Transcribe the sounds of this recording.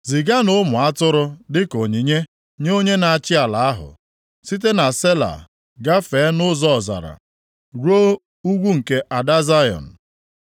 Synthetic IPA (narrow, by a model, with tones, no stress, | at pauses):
zi˨ɡa˦no˦mʊ˨a˦tʊ˦ɾʊ˦dɪ˦ko˨ɲi˨ɲe˦ | ɲo˦ɲe˦na˨a˨t͡ʃɪ˦a˨la˨a˦ɦʊ̰˨ | si˦t̬e˦na˨se˦la̰˨ | ɡa˦fe˨˦nʊ˦zɔ˦˨za̰˨ɾa̰˨ | ɾo˦ | u˦ɡʷu˦ŋ̩˨ke˦ʔa˨da˦za˦jɔ̰˨n̩˨